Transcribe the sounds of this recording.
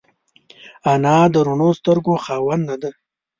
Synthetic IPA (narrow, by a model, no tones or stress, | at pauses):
anɑːd̪əɾuɳost̪əɾɡoxɑːwanːad̪ə